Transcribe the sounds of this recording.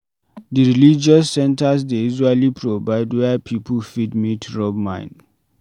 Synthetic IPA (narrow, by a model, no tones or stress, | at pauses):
diɹilid͡ʒɔsːɛ̃ntas̬deizalipʰɹovaɪdwɛpʰipʰəfidmitɹɔbmã̰ɪ̃n